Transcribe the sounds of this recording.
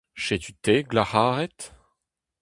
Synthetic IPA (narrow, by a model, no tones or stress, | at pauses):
ʃet̪yt̪eɡlahaːʁɛt̪